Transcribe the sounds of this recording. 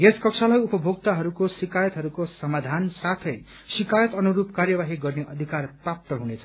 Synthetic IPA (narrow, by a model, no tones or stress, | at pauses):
jeskʌkt͡sʰalʌjupʌbʱoɡt̪aɦʌɾukosikajʌt̪ɦʌɾukosʌmad̪ʱansat̪ʰʌj | sikajʌt̪ʌnuɾup̚karjʌbaɦiɡʌrneʔʌd̪ʱikarprap̚t̪ʌɦunet͡sʰʌ